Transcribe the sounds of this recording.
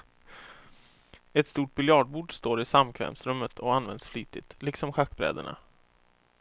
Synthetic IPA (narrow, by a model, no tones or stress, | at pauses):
ɛt̪st̪uːʈ̚bɪljɑːɖ̚buːɖst̪oːɾɪsamkʰvɛ̰ːmsɾɵmːət̪ʰɔanvɛ̰nd̪sfliːt̪ɪt̪lɪksɔmɧakːbɾɛ̰ːd̪ə̰ɳa̰